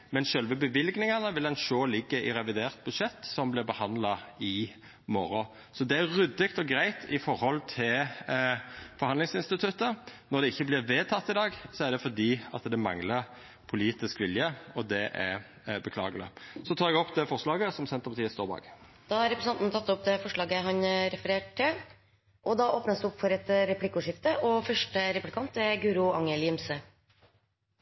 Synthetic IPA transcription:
mɛnʃœlʋəbəʋɪlɡnɪŋɑnəʋɪlɛnʃoːlɪɡːəʔɪɾɛʋɪd̪eːʁt̪̚bʉd̪ʂɛt̪ːsɔmblɪɾbəhɑnd̪lɑɪ | mɔɾɔ | sɔd̪ɛæɾɾʉd̪ːɪkt̪ɔɡɾæɪt̪ʰɪfɔɾhɔlt̪ʰɪl | fɔɾhɑnlɪŋsɪnst̪ɪt̪ʰʉt̪ːənɔd̪ɛɪçːəblɪɾʋeːt̪ʰɑt̪ːɪd̪ɑːɡsɔæɾd̪ɛfɔd̪iːɑt̪d̪ɛmɑŋləɾ | pʰʊliːt̪ɪskʋɪljəɔd̪ɛʔæ | bəkʰlɑ̰ːɡəlɪ̰sɔt̪ʰɑːɾɛɡɔpːd̪ɛfɔʂɭɑːɡəsɔmsɛnt̪əpɑt̪iːəst̪oːbɑ̰ːɡ | d̪̥ɑhɑɾɛpɾəsnɑnnt̪ʰɑt̪ːɔp̚d̪ɛfɔʂɭɑːɡəɦɑnɾɛfəɾeːʈʰɪl | ʔɔd̪ɑʔoːpnəsd̪ʉɔpːfɔɾɛt̪ɾɛpʰlɪkːʊʂɪft̪əʔɔfœʂʈəɾɛplɪkʰɑnt̪ɛɡʉːɾʊɑŋəljɪmsə

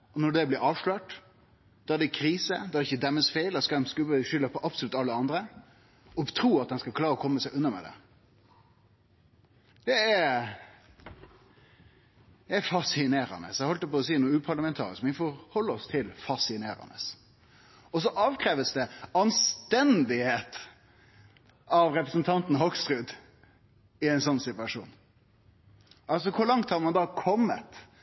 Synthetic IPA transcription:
ɔnɔɖɛblɪɾɑːʋʂløːʈ | d̪̥ɑæɖ̪ɛkʰɾiːsə̰d̪ɑæɾɖɛɪçːəd̪ɛmːəsfeɪlɑskɑd̪ɛmskʉbəʃʏlːəpʰɔʔɑpsɔlʉt̪ːɑlːəɑnd̪ɾə | ɔt̪ʰɾuːɑt̪̚d̪ɛnskɑlkʰlɑːɾəɔkʰɔmːəsæɪʔʉnːɑmɛ̰d̪ɛ̰ | d̪̥ɛɛɾ | dɛæɾfɑsɪneːɾɑ̰nə̰sɛhɔlt̪ːəpɔɔsiːnuːʉːpʰɑɾɭɑmɛnt̪ʰɑ̰ːɾɪ̰skmnɪfɔɾhɔlːəɔst̪ʰɪlfɑsɪneːɾɑ̰nəs | ɔs̬ɔʔɑːʋkʰɾeːʋəsd̪ɛɑnst̪ɛnd̪ɪheːt̪ | ɑʋɾɛpɾəsn̩t̪ʰɑnt̪n̩ɦɔɡst̪ɾʉːd̪ | ɪæɪnsɔnːsɪt̪ʋɑʂṵːn | ʔɑls̬ɔkʰʊɾlɑŋt̪hɑɾmɑnd̪ɑkʰɔmːə̰t̪

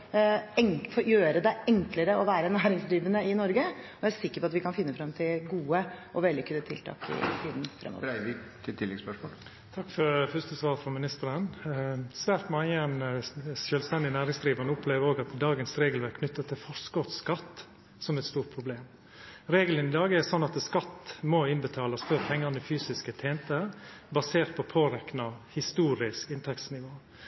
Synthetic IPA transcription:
ɛŋfɔjøːɾəd̪ɛɛŋkləɾəɔʋæːɾənæːɾɪŋsd̪ɾiːʋənəɪnɔɾɡəɔæsɪkːəɾpɔɑt̪ʋɪkɑnfɪnːəfɾɑmt̪ʰɪlɡuːəʔɔʋɛljəkʰʉnːət̪ʰɪlt̪ʰɑ̰ːkɪ̰t̪ʰiːd̪n̩fɾɛ̰mːɔ̰t̪ʰɪt̪ʰɪlːɛɡspœʂmo̰l | t̪ʰɑkːfɔɾfœst̪əsʋɑːɾfɾɔmɪnɪst̪əɾənsʋæːɾt̪mɑənʃœːlst̪ɛnd̪ɪnæːɾɪŋsd̪ɾiːʋɑɳəʊpʰleːʋəɾoːɡɑt̪d̪ɑːɡənsɾeːɡəlʋæɾkʰnʏt̪ːət̪ʰːɪlfɔskɔt̪skɑt̪ː | sɔmɛt̪st̪uːɾʈ̚pʰɾʊbleːm | ɾeːɡələnɪd̪ɑːɡəɛsɔnːɑt̪skɑt̪ːmoːɪnbət̪ʰɑːlɑsføːɾpʰɛŋːɑnɪfyːsɪskət̪ʰeːnt̪əbɑseːɾt̪̚pʰɔpʰoːɾɛknɑhɪst̪uːɾɪskɪnt̪ʰɛkt̪snɪʋoː

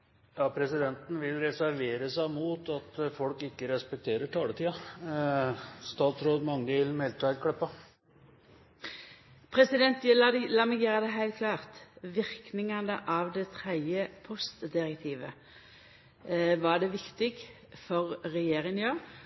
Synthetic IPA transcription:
jɑːpʰɾɛsɪd̪ɛnt̪n̩ʋɪlɾɛsæɾʋeːɾəsæɪmuːt̪ɑt̪fɔlkɪkːəɾɛspɛk̚t̪ʰeːɾəʈʰɑːlət̪ʰiːɑ | st̪ɑːt̪sɾoːd̪mɑŋːəʋɪlmɛlt̪ʰæɪlkʰɽɛpːɑ | pʰɾɛsɪd̪ɛnt̪lɑːmɛɡjøːʁəd̪ɛɦæɪlt̪̚kʰlɑːʁt̪ʋɪɾknɪŋɑnəʔɑʋd̪ɛt̪ʰɾɛd̪jəpʰɔst̪d̪ɪʁɛkt̪ʰiːʋə̰ | ʋɑɖɛʋɪkt̪ɪɡ | fɔʁːɛjeːɾɪŋnjøː

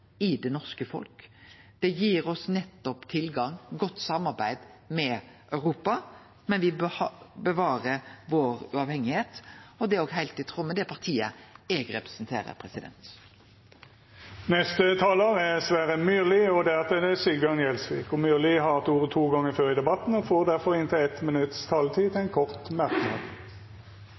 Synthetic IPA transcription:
ɪd̪ɛnɔʁskəfɔ̰lkd̪̥ɛjiːɾɔsnɛt̪ːɔpt̪ʰɪlɡɑŋɡɔt̪ːsɑmɑʁbæɪd̪mɛʔœʉɾuːpɑ | mɛnʋɪbəʋɑːɾəʋoːɾʉɑʋhɛŋːɪheːt̪ɔd̪ɛoːɡɦæɪlt̪ɪt̪ʰʁɔmːəd̪ɛpʰɑʁt̪ʰiːə̰ɛɡɾɛpɾɛ̥snt̪ʰḛːɾə̰ɾpʰɾɛsɪd̪ɛ̰nt̪ | nɛst̪ət̪ʰɑːloːʁɛsʋæːɾəmyːlɪɔd̪ɛɑt̪əd̪ɛsʏɡɑnjɛlsʋḭːkɔmyːlɪɦɑʁt̪uːʁət̪ʰuːɡɑŋːəføːɾɪd̪ɛbɑt̪n̩ɔfoːʁd̪æɾfɔɾɪnt̪ʰəɛt̪mɪnʉt̪st̪ʰɑlt̪ʰiːt̪ʰɪæɪnkʰɔʁt̪mæʁk̪hɑ̰

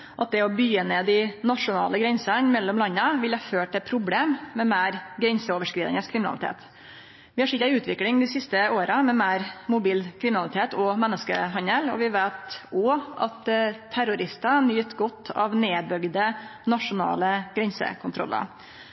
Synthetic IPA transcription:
ʔɑt̪̚d̪ɛɔbyːəneːd̪ɪnɑʂʊnɑ̰ːləɡɾɛnsɑnmɛlːɔmlɑnːəʋɪlhɑføːʈ̪ɛpʰɾʊbleːmːɛmeːɾɡɾɛnsəoːʋəʂkɾiːd̪ɪ̰ŋəskʰɾɪmɪnɑ̰lɪt̪ʰḛːt̪ | ʋɪhɑʂɪt̪ːæʉːt̪ʰʋɪklɪŋd̪ɪsɪst̪əoːɾəmɛmæːɾmʊbiːlkʰɾɪmɪnɑlɪt̪ʰeːt̪ʰɔmɛnːəskə̰ɦɑnəlɔ̰ʋɪʋeːt̪ɔɑ̰t̪t̪ʰːæɾʊɾɪst̪ɑnyːt̪ɡɔt̪ːɑ̰ʋneːbœɡd̪ənɑʂʊnɑ̰ːləɡɾɛnsə̰kʰʊnt̪ɾɔ̰lːə̰

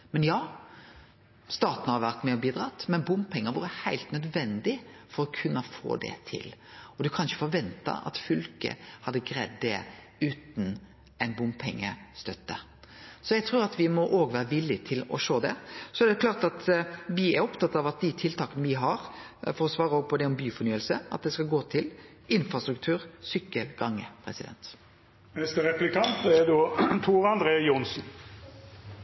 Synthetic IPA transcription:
mɛnjɑː | st̪ɑːt̪nəhɑɾʋæʁt̪mɛɔbiːd̪ɾɑt̪ːmɛnbʊmpʰɛŋːəʋṵːɾəhæɪlt̪nœd̪ʋɛnd̪ɪfɔɾɔkʰʉnːəfo̰ːd̪ɛ̰t̪ʰɪ̰lɔd̪ʉkʰɑnɪçə̥fɔɾʋɛnt̪ɑ̰ɑ̰t̪fʏlkə̰hɑd̪ːəɡɾɛ̰d̪d̪ɛ̰ | ʉːt̪n̩ | æɪnbʊmpʰɛŋːə̰st̪œt̪ːə | sɔjɛɡt̪ʰɾuːɾɑt̪ʋɪmɔʔoːɡʋæːɾəʋɪlːɪt̪ʰɪlɔ̰ʃoːd̪ɛ̰sɔɛɾd̪ɛkʰlɑːʁɾt̪ɑt̪ʋɪæɾɔpt̪ʰɑt̪ːɑʋɑt̪̚d̪ɪt̪ʰɪlt̪ʰɑːkənəʋɪɦɑɾfɔɾɔsʋɑːɾəoːɡ̚pʰɔd̪ɛɔmbyːfɔɾnyːəlsəɑ̰t̪̚d̪ɛskɑɡoːt̪ʰɪl | ʔɪnfɾɑst̪ɾʉk̚t̪ʰʉːɾsʏkːəlɡɑŋːəpʰɾɛ̰sɪd̪ɛ̰nt̪ | nɛst̪əɾɛplɪkʰɑnt̪əɛd̪oːt̪ʰuːʁɑnd̪ɾeːjʊnsn̩

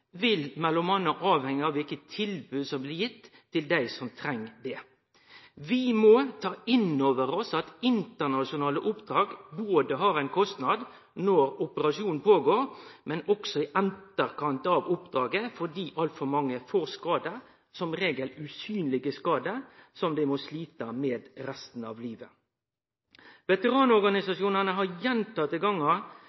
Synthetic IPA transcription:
ʋɪlmɛlːɔmhɑnːəʔɑːʋhɛŋːəɑʋɪlkət̪ʰːɪlbʉːsɔmblɪʁjɪt̪ʰːɪld̪æɪsɔmt̪ʰɾɛŋːd̪ɛ | ʋɪmɔt̪ʰɑːɪnːoːʋəɾɔsɑt̪ɪnt̪əʁnɑʂɪʊnɑːləʔʊpd̪ɾɑːɡboːd̪əɦɑːɾæɪnkʰɔst̪nɑd̪ | nɔɾʊpəɾɑʂuːnn̩pʰoːɡoːɾmɛnɔksɔɪʔænt̪əɾkɑnt̪ɑʋʊpd̪ɾɑːɡəfɔd̪iːʔɑlt̪fɔɾmɑŋːəfoːɾskɑːd̪ə | sɔmʁeːɡəlʉsyːnlɪɡəskɑːd̪əsɔmd̪ɛɪmɔsliːt̪əmeːd̪ɾɛst̪n̩ɑ̰ʋliːʋə | ʋɛt̪əʁɑːnɔɾɡɑnɪsɑʂjuːnɑnəɦɑɾjɛnt̪ɑt̪ɪɡɑŋːɑ

